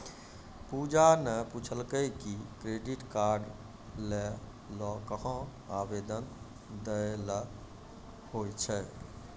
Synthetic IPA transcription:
pud͡ʒanəput͡ʃʰəlkəjkikɾeɖiʈkaɾɖ | lɛ | lɔkəɦə̃ | abed̪ən | d̪ələ | hot͡ʃʰɛ

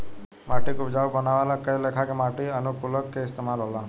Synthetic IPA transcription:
maʈikubd͡ʒaubənaʋalakəjlekʰakemaʈiənukuləkːeɪst̪emalɦola

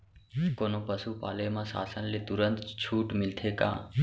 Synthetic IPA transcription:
konopəsupa̰ːləjmãsa̰ːsənlet̪uɾənt̪t͡ʃʰuːʈmɪlt̪ʰekã̰ː

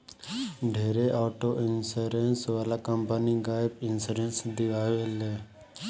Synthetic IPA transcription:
ɖʱeːɾeʔɔːʈoːʔɪnsəɾensʋaːlaːkəmpəniɡaːɪpɪnsəɾẽnsd̪ɪʋaːʋeleː

